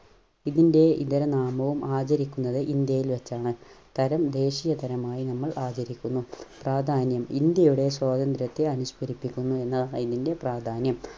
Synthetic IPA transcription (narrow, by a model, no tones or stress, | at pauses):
iðinde̞ḭðɐɾɐnaːmɐʋumaːt͡ɕɐɾikʲːunːɐðɨʔind̪jɐjilʋet͡ɕːaːɳɨt̪ɐɾɐmd̪e̞ːɕijɐt̪ɐɾɐmaːjinɐmːɐɭʔaːt͡ɕɐɾikʲːunːupraːd̪ʱaːnjɐmind̪jɐjuɽe̞swaːd̪ɐnd̪ɾɐt̪ːeɐnuɕpɐɾipːikʲːunːue̞nːɐiðinde̞praːd̪ʱaːnjɐm